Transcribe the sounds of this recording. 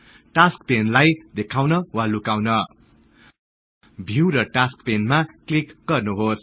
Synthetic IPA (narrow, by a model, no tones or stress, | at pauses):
ʈaskpenlajd̪ekʰawnʌwalukawnʌ | bʱiwɾʌʈaskpenmaklikɡʌrnuɦos